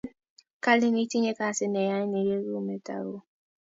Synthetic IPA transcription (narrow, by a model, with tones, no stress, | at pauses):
ka˦li˦mi˦ti˦ɲe˦ka˦sɪ˦ne˨ja˦ne˨ɾe˦ɾu˦me˦ta̰˨ɾo˦